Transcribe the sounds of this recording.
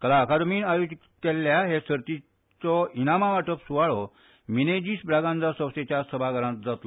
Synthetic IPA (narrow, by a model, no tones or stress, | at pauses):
kəlakʰad̪miːnajod͡ʑit | kelːjaɦesəɾt̪i | t͡sɔinamaʋaʈəpsuʋaɭɔ | mined͡ʑiːsbɾaɡãnt͡sasəwset͡ɕjasəbʱaɡəɾãt̪̚d͡zat̪lɔ